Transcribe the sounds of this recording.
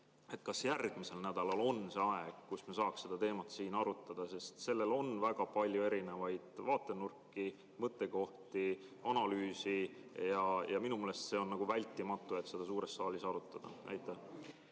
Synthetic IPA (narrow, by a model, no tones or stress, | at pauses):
e̞t̪̚kɑsjærɡ̥mise̞lnæd̪̥ɑlɑlo̞nse̞ɑe̞ɡ̥̚kusmesɑːksse̞d̪̥ɑt̪e̞ːmɑt̪siːnɑɾut̪ːˑɑd̪̥ɑse̞st̪se̞lːe̞lo̞nvæɡ̥ɑpɑlʲjue̞ɾine̞vɑjd̪̥vɑːt̪ːˑe̞nurkːˑi | mɤt̪ːˑe̞ko̞ht̪iɑnɑlyːsijɑjɑminumeːlest̪se̞o̞nːɑɡ̥uvælʲt̪ːˑimɑt̪ˑːuet̪ːˑse̞d̪ɑs̬uːɾe̞sːɑːlʲisɑɾut̪ˑːɑd̪̥ɑ̰nʔæ̰jt̪ːˑæ